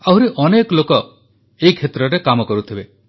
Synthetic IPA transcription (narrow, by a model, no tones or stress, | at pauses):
aɦuɾiʔɔnekɔlokɔ | eikʰet̪ɾɔɾekamɔkɔɾut̪ʰibe